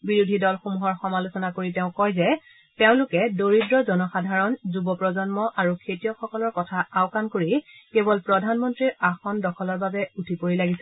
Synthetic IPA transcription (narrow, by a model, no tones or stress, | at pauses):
biɹudʱidɔlxomuɦɔɹxɔmalusɔnakoɹiteʊ̃kɔjzɛ | teʊ̃lʊkɛdoɹidɹɔzɔnɔxadʱaɹɔnzubɔpɹɔzɔnmɔʔaɹukʰetijɔxɔkɔlɔɹkɔtʰaaʊkankoɹikebɔlpɹɔdʱanmɔntɹiɹaxɔndɔkʰɔlɔɹbabɛutʰipoɹilaɡisɛ